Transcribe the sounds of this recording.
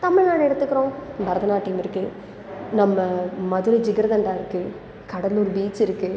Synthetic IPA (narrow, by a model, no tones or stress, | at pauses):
t̪ɐmɪɻnaːnɛɽɐt̪ːɯkːɪɾõːbɐɾɐðɐnaːʈːiːmɪɾɯkːɯ | nɐmːɐmɐðɯɾɐd͡ʒɪɡɐɾɡ̪ɐɳɖaːɪɾɯkːɯ | kɐɽɐlɔɾɯbiːt͡ʃːɪɾɯkːɯ